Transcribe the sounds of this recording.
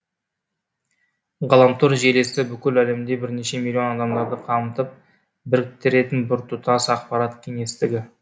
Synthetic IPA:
ʁɑlˠɑmt̪ʰuɾʒe̞le̞sɪbʏkʲɪlæle̞md̪e̞bɪɾneʃe̞milʲːˠijo̞nɑd̪ɑmd̪ɑɾd̪əqʰɑmət̪əp̚ | bɪɾkʲɪt̪ːɪɾe̞t̪ɪnbʊɾt̪ʰʊt̪ɑsɑqpɑɾɑt̪kʲʰe̞ŋe̞st̪ɪɡʲɪ

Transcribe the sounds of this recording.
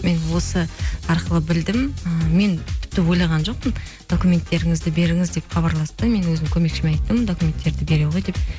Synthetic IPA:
me̞nwo̞səɑɾqəlˠəbɪld̪ɪməme̞nt̪ʰɪ̥p̚t̪ɪwo̞jlˠɑʁɑnʒo̞q̚pən | d̪̥o̞kumʲe̞nt̪ːe̞ɾɪŋɪzd̪ɪbe̞ɾɪŋɪzd̪e̞pχɑbɑɾlˠɑst̪əme̞nwɵzɪmkʲʰɵme̞kʃɪmeɑjt̪ːəmd̪o̞kume̞nt̪ːe̞ɾd̪ɪbe̞ɾe̞wʁo̞jd̪e̞p̚

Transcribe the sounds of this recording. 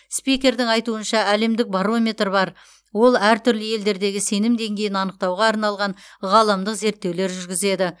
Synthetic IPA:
spijkʲe̞ɾd̪ɪŋɑjt̪uənʃɑæle̞md̪ɪk̚baɾo̞mʲe̞t̪rbɑɾ | wo̞lˠæɾt̪ʰʏɾləje̞ld̪e̞ɾd̪e̞ɡʲɪse̞nɪmd̪e̞ŋɡʲe̞jɪnɑnəq̚t̪ɑwʁɑːɾnɑlˠʁɑnʁɑlˠɑmd̪əqze̞ɾt̪ːe̞wle̞ɾʒʏɾɡʲɪze̞d̪ɪ

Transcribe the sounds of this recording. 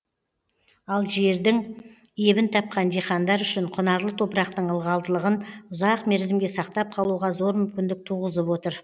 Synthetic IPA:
ɑlˠʒe̞ɾd̪ɪŋ | e̞bɪnt̪ʰɑp̚qɑnd̪eχɑnd̪ɑɾʏʃɪɴqʰʊnɑɾlˠət̪ʰo̞pɾɑqt̪əɴəlˠʁɑlˠd̪əlˠəʁənʊzɑqme̞ɾzɪmɡʲe̞sɑqt̪ɑp̚qʰɑlˠuʁɑzo̞ɾmʏmkʲɪnd̪ɪk̚t̪ʰuʁəzəpwo̞t̪əɾ

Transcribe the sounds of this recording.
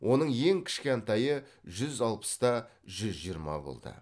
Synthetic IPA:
wʔo̞nəɴje̞ŋkʲʰɪ̥ʃkʲeɑnt̪ɑjəʒʏzɑlˠpə̥st̪ɑʒʏzʒijəɾmɑ̰bo̞̰lˠd̪ə̰

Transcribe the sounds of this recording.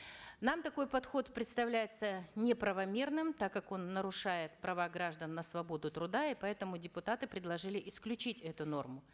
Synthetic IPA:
namt̪ɐko̞jpɐt̪xo̞t̪pɾʲɪt̪st̪ɐvlʲæjɪt̪sənʲɪpɾəvɐmʲe̞rnɨmt̪akːako̞nːəɾʊʂajɪt̪pɾɐvaɡɾaʐd̪ənːəsvɐbo̞d̪ʊt̪ɾʊd̪aɪpɐɛt̪əmʊdʲɪpʊt̪at̪ɨpɾʲɪd̪lˠɐʐɨlʲɪʔɪsklʲʉt͡ɕitʲɛt̪ʊno̞̰rmʊ

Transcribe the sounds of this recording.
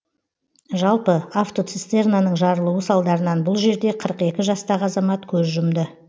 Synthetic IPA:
ʒɑlˠpəaft̪o̞t̪sist̪e̞rnanəɴʒɑɾəlˠəwəsɑlˠd̪ɑɾənɑnbʊlˠʒe̞ɾd̪e̞qʰəɾəqe̞kʲɪʒɑst̪ɑʁəɑzɑmɑt̪kʲʰɵzʒʊmd̪ɪ

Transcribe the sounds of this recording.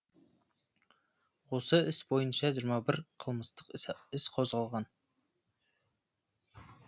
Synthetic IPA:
wo̞səɪsbo̞jənʃɑʒiɾmɑbɪɾqʰəlˠməst̪əqɪsqʰo̞zʁɑlˠʁɑn

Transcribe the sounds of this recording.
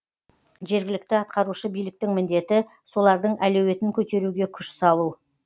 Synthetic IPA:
ʒe̞ɾɡʲɪlɪkt̪ɪɑt̪qɑɾuʃəbijlɪk̚t̪ɪŋmɪnd̪e̞t̪ɪ | so̞lˠɑɾd̪əɴʔælɵwe̞t̪ɪŋkʲʰɵt̪e̞ɾuɡʲe̞kʲʰʏʃsɑlˠu

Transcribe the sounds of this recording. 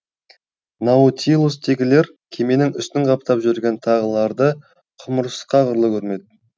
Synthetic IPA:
nɑut̪ilˠust̪ʰeɡʲɪle̞ɾ | kʲʰe̞me̞nɪŋʏ̰st̪ɪŋʁɑp̚t̪ɑpʒʏɾɡʲe̞nt̪ʰɑʁəlˠɑɾd̪ə | qʰʊməɾsə̥sqɑʁəɾlˠəkʲʰɵɾme̞d̪̚

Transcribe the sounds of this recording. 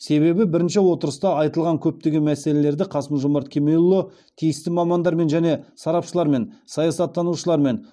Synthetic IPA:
se̞βe̞bɪbɪɾɪnʃɪwo̞t̪əɾəst̪ɑɑjt̪əlˠʁɑŋkʲʰɵp̚t̪e̞ɡʲemæse̞le̞le̞ɾd̪ɪqʰɑsəmʒʊmɑɾt̪kʲʰemejlˠːo | t̪ʰijɪst̪ɪmɑmɑnd̪ɑɾme̞nʒæne̞sɑɾɑpʃəlˠɑɾme̞nsɑjɑsɑt̪ʰːɑnuʃəlˠɑɾme̞n

